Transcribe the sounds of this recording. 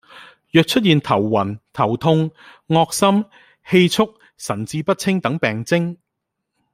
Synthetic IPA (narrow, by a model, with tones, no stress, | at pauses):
jœː˨˧k̚t͡ʃʰɵ˥t̚jiː˨nt̪ʰɐ˨˩wːɐ˨˩nt̪ʰɐ˨˩wt̪ʰʊ˧ŋŋɔː˧k̚sɐ˥m | he˧jt͡sʰʊ˥k̚ | sɐ˨˩nt͡siː˧pɐ˥t̚t͡sʰɪ˥ŋt̪ɐ˨˥ŋpɛː˨˩ŋt͡sɪ˥ŋ